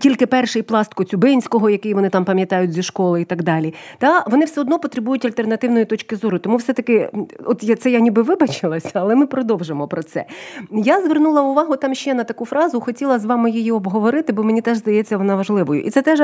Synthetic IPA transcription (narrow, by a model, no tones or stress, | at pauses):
tʲilʲkɪpɛrʃɪjplˠɑst̪̚kɔt͡sʲʊbɪnʲsʲkɔɦɔjɐkɛjʋɔnɪt̪ɑmpɐmʲjɐt̪ɑjʊt̚ʲzʲiʃkɔlˠɪit̪ɐɡd̪ɑlʲit̪ɑʋɔnɪwsɛɔd̪nɔpɔt̪ɾebujʊtʲɐlʲt̪e̞rnɐt̪ɪwnɔjʊt̪ɔt͡ʃkɪzɔɾʊt̪ɔmuwsɛt̪ɐkɪɔt̪jat̪sɛjanʲibɪʋɪbɐt͡ʃɪlˠɐsʲɐɐlˠɛmɪpɾɔd̪ɔwʒemɔpɾɔt̪sɛ̰jazʋernulˠɐʊʋɑɦʊt̪ɑmʃt͡ʃɛnɐt̪ɐkufɾɑzʊxɔtʲilˠɐzʋɑmɪjijiɔbɦɔʋɔɾɪt̪ɪbɔmenʲit̪ɛʒzd̪ɐjɛt͡sʲːɐʋɔnɑʋɐʒlˠɪʋɔjʊ̰ʔit̪sɛt̪ɛʒ